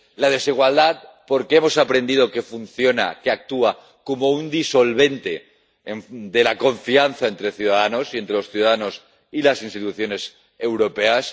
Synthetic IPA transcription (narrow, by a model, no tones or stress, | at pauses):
laðe̞siɣ̞wald̪at̪̚po̞ɾkee̞mo̞sapɾe̞nd̪ið̞o̞ke̞fun̟θjo̞na̰keak̚t̪ua | ko̞mo̞und̪iso̞lβe̞nt̪e̞ | eɱd̪e̞lako̞ɱfianθae̞nt̪ɾe̞θjuðaðano̞sie̞nt̪ɾe̞lo̞sθjuðaðano̞s | ilasinst̪it̪uθjo̞ne̞s | e̞wɾo̞pe̞as